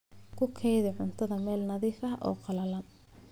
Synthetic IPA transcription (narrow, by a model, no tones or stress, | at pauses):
kʰʊkʰɛjðɪʕʊnt̪ʰɐðɐmɛːlnɐðiːfɐʔɔ̰ːqɑlɐlɐn